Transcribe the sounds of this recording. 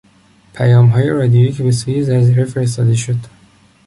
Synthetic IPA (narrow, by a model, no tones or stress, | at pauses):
pʰæjɒːmɦɒːjeɾɒːd̪ijoiːcʰbe̞suːjezæɾziɾefe̞ɾes̬t̪ɒːd̪e̞ʃod̪